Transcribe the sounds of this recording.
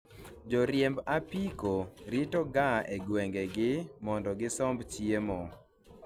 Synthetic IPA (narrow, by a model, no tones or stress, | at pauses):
d͡ʒɔɾjembapikoɾitɔɡaʔeɡwɛŋɡeɡɪmɔndɔɡɪsɔmbt͡ʃjemɔ